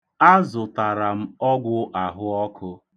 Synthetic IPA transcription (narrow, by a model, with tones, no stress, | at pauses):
a˦zʊ˨ta˨ɾa˨m̩˦ɔ˦ɡʷʊ˦ʔa˨ɦʊ˦ɔ˦kʰʊ˦